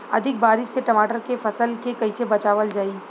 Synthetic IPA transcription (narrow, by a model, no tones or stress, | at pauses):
ɐ̰d̪ʱɪk̚baːɾɪʃseʈɐmaːʈəɾkefɐsəlkekɐisebɐt͡ʃaːʋəld͡ʒaːiː